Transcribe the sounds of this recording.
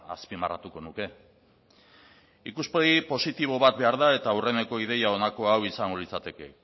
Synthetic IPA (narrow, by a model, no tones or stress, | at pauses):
aspimara̰t̪uko̞nuke̞ | ikuspe̞ɣipo̞sit̪iβ̞o̞βat̪̚be̞aɾðae̞t̪aure̞ne̞ko̞ið̞e̞jao̞nako̞awisaŋɡo̞lit͡sat̪e̞ke̞̰